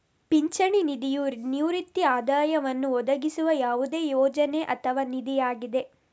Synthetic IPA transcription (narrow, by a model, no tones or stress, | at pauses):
piɲt͡ʃɐɳinid̪ijunjuɾit̪ːiaːd̪aːjɐʋɐnːuɔd̪ɐɡisuʋɐjaːʋud̪e̞ːjɔːd͡ʒɐne̞ʔɐt̪ʰɐʋaːnid̪ijaːɡid̪e̞